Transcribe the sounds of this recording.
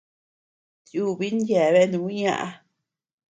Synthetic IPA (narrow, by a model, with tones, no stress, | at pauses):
ju˦˨βi˦n˦dje˨βe˦nũ˧˨i˦ɲã̰˦˧ʔa˧